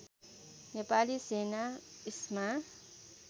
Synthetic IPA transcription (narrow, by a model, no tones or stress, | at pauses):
nepalisenaisma